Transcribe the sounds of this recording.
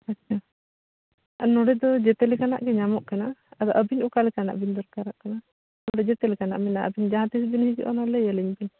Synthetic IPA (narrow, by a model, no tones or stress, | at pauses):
atːt͡ʃʰa | nɔɽɛd̪ɔd͡ʒɛt̪ɛlɛkana̰ʔɡɛɲamɔʔkanaad̪ɔʔəbinʔukalɛkana̰ʔbind̪ɔɾkaɾaʔkana | nɔɽɛd͡ʒɛt̪ɛlɛkana̰ʔmɛnaʔə̰bind͡ʒaɦãt̪isbinhiɡiʔɔ̰nalɛjəliɲbin